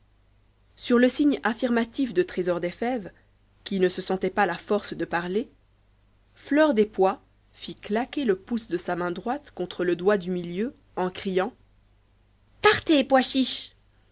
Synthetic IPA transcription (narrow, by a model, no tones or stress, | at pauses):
syʁləsiɲafiʁmat̪ifd̪ət̪χezɔʁd̪efɛv | kʲinəsəsɑ̃t̪ɛpalafɔʁsd̪əpaʁle | flœʁd̪epwa | fiklakʲeləpusd̪əsamɛ̃d̪ʁwat̪kɔ̃t̪χələd̪wad̪ymiljø | ɑ̃kχijɑ̃ | paʁt̪epwaʃiʃ